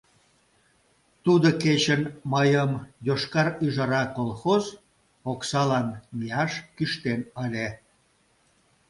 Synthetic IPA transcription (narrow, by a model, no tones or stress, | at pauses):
t̪ud̪oket͡ɕənməjəmjoʃkɑɾyʒɑɾɑkolˠxoz | oksɑlɑnmiɑʃkyʃt̪enəlʲe